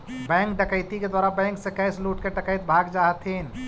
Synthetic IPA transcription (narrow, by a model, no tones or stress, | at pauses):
bɛ̃ːŋk̚ɖəkəɪt̪iked̪waːɾabɛ̃ːŋksẽkɛːsluːʈkeʈəkəjt̪bʱaːɡd͡ʒaːɦt̪ʰin